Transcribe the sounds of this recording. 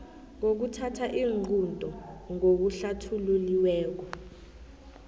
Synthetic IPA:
ŋok̬utʰatʰaʔiːŋuntʼɔŋok̬uɬatʰululiwɛːk̬ɔ

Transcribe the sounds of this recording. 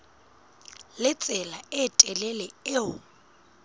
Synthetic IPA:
lɪt͡sʼɛlaɪtʼɛlɛlɛɪʊ

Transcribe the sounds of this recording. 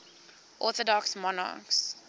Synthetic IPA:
ʔɔːθɔdɔksmɔnɑ̰ːks

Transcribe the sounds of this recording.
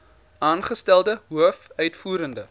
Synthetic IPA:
ɑːnχəstælˠdəɦuəfœɥtfuːɾəndə

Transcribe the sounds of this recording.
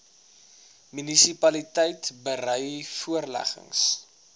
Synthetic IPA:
mynisipɐlitəjtbərœjfuərlæ̰χə̰ŋs

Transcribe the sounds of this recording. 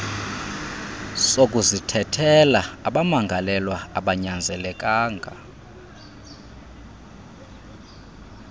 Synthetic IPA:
sokʼuzitʰɛtʰɛlaaɓamaŋɡʱalɛlwaaɓaɲand͡zʱɛlɛkʼaːŋɡʱa

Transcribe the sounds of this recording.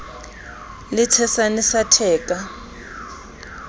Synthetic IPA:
lɪtʰɛsanisatʰɛːkʼa

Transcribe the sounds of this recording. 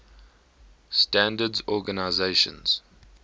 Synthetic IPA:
stæ̃ndədzɔɡənaɪzeʃə̰̃nz̥

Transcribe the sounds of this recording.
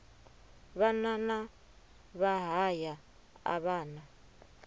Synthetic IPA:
βanana | βaɦaja | a̰βaːna

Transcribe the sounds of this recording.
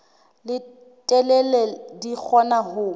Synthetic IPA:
lɪ | tʼɛlɛlɛdik͡xʰɔnahʊ

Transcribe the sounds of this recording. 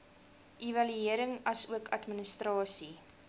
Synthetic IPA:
ʔivɐlyiəɾəŋɐsuəkʰɐtmənəstrɑːsi

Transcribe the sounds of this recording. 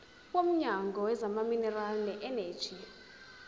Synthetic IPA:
wom̩ɲaŋɡʱɔwɛzamaminɛralnɛʔɛnɛ̥ːʒ̥ʱi

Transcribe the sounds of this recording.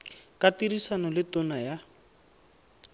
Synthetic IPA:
katirisanɔlɪtɔnaja

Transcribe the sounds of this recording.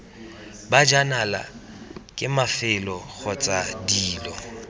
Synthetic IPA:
bad͡ʒanala̰ | kʼɪmafɪlɔɣʰɔt͡sʼadiːlɔ

